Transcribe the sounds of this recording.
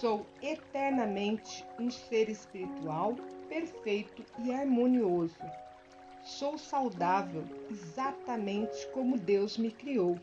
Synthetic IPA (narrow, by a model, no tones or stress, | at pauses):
sowet̪ɛɾnɐmẽnt͡ʃɪ̥ũseɾespiɾit̪uawpeɾfejt̪ʊɪaɾmõniozʊ | sowsawd̪avewezat̪ɐmẽnt͡ʃɪ̥kõmʊd̪ewzmɪkɾiow